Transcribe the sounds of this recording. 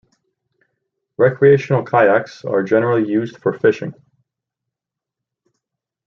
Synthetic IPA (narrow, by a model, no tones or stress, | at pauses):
ɹɛkʰɹieɪʃn̩l̩ˠkʰaɪæksə̰˞d͡ʒɛnə˞l̩ˠijʉzd̥fə˞fɪʃɪ̰̃ŋ